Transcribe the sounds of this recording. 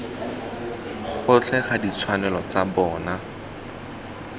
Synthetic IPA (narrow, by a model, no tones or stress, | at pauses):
χʰʊt͡ɬʰɛχadit͡sʰwanɛlɔt͡sabɔːna